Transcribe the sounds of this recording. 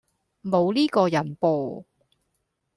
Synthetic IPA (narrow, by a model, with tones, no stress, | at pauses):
mo˨˧wliː˥kɔː˧jɐ˨˩npoː˨˧